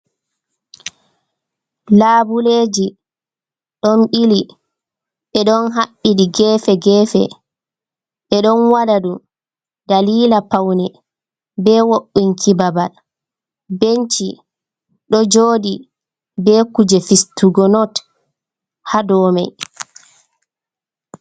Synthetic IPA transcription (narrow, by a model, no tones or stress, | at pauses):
laːbuleːd͡ʒi | ɗɔnɓili | ɓɛɗɔnɦaɓːiɗiɡɛːfɛɡɛːfɛ̰ | ɓɛɗɔnwaɗaɗu | daliːlapawnɛ | bɛwoɓːiŋkʰibabal | beɲt͡ʃi | ɗɔd͡ʒoːdi | bɛkud͡ʒɛfistuɡɔnɔt | hadɔːmɛ̰j